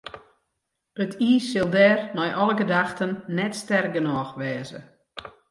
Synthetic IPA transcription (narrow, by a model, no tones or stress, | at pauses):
ətʰiːsːɪlˠdɛːrnɔjʔɔləɡədaxtənːɛtstɛr̚ɡənɔxʋɛːzə̰